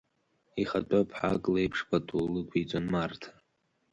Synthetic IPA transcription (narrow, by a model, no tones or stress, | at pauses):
iχatʷʼapʰħa̰kʼlejpʰʂpʰatʰʼulɨkʷʰit͡sʷʼonmartʰḁ